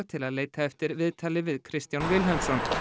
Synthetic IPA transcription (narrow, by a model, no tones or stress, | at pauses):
t̪ʰɪlaðleːjt̪ʰaɛft̪ɪɾvɪðt̪ʰaːlɪvɪðkʰɾɪst̪janvɪlɦɛlsɔn